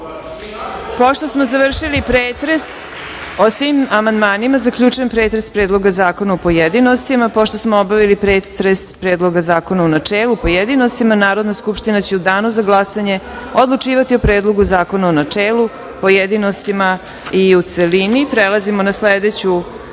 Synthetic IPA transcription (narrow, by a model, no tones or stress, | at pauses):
po̞ʃt̪o̞smozaʋr̩ʃilipɾeːt̪ɾe̞s | osʋimamand̪maːnimazakʎut͡ʃuje̞mpɾeːt̪ɾespɾe̞ːd̪lˠo̞ɡazaːko̞naupo̞jed̪inost̪imapoʃt̪o̞smoobaʋilipɾeːt̪ɾespɾeːd̪lˠo̞ɡazaːko̞naunat͡ʂeːlˠupo̞jed̪ino̞st̪imanaːɾo̞d̪naskupʃt̪inat͡ɕeud̪aːnuzaɡlˠasaɲe̞ | o̞d̪lˠut͡ʂiːʋat̪iopɾeːd̪lˠo̞ɡuzaːko̞naonat͡ʂeːlˠu | pojed̪inost̪ima | iut̪selinipɾelˠazimonasled̪et͡ɕu